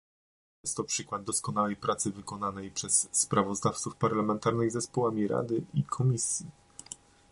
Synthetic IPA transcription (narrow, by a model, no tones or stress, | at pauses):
jɛst̪ːɔpʂɘkwad̪̚d̪ːɔskɔn̪awɛjpɾat̪sɘvɘkɔnanɛjpʂɛsːpɾavɔzd̪aft̪sufpaɾlamɛnt̪aɾnɘɣzɛspɔwamʲiɾa̰d̪ɘikʰɔmʲisʲji